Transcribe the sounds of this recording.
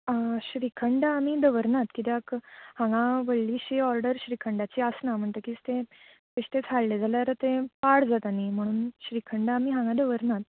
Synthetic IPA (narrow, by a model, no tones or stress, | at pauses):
əɕɾikʰəɳɖaːmiːd̪əʋəɾnat̪kit̪eakhãŋɡãʋəɭliːɕiɔɾɖəɾɕɾikʰəɳɖat͡ɕiəsnam̤əɳt̪əkist̪ẽ | t̪eɕt̪et͡sʰalled͡zʱaljaɾət̪ẽpaɽd͡zat̪anim̤əɽ̃uːnɕɾikʰəɳɖaːmiɦãŋɡãd̪əʋəɾnat̪̚